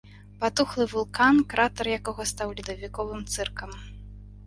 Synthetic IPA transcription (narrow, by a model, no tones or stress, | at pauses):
pat̪uxlˠɨvulˠkankɾat̪ɐrjakɔɣɔst̪awlʲid̪ɐvʲikɔvɨmt̪sɛrkɐm